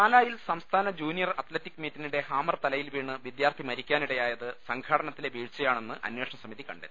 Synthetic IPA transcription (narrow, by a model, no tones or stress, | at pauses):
aːlaːjilsɐmst̪ʰaːnɐd͡ʑuːnijɐrɐt̪letːikːmiːtːiniɽe̞haːmɐrt̪ɐlɐjilʋiːɳːɨʋid̪jaːrt̪ʰimɐɾikʲːaːniɽejaːjɐðɨsɐŋɡʰʱaːɽɐnɐt̪ːile̞ʋiːɻt͡ɕːɐjaːɳe̞nːɨʔɐ̰nwe̞ːʂɐɳɐsɐmiðikɐ̰ɳɖḛ